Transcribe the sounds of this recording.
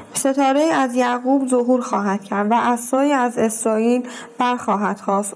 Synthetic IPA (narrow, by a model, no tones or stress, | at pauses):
se̞t̪ʰɒːɾe̞jiːæzjæɣuːbzoɦuːɾxɒːɦæd̪̥cʰæɾd̪væʔæsːɒːjiːæze̞sɾɒːiːlb̥æɾxɒːɦæd̪̥xɒːst̪